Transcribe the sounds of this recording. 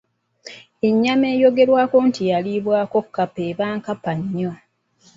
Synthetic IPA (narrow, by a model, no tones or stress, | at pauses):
e̞ɲːame̞ːjo̞ɡe̞ɾwaːko̞ntijaliβwaːko̞kːapeːβaːŋkapaɲːo